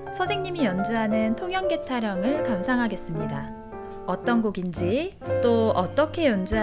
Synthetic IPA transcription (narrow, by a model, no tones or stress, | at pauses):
sʰʌdeŋɲimijʌnd͡ʑuɦanɯntʰoŋɦjʌŋɡe̞tʰaɾjʌŋɯɭkamsʰaŋɦaɡe̞s͈ɯmɲida | ʌt͈ʌnɡoɡind͡ʑi | t͈oʌt͈ʌkʰe̞jʌnd͡ʑuɦa